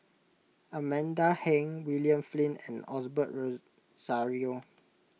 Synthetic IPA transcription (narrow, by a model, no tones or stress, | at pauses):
amɛ̃ndahɛ̃ŋwiljə̃mflĩnɛ̰̃nɔsbət̚ɹo | z̥aɹio